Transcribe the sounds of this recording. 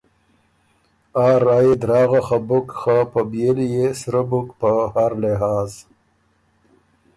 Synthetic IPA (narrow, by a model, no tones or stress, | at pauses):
ɑːɾajid̪ɾɑːɣaxabʊkxapəbjelijesɾəbʊkpəhaɾlɪɦɑːz